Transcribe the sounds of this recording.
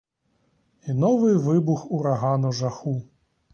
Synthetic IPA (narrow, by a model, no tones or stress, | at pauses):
inɔʋɨjʋɪbuxuɾaɦanɔʒaxu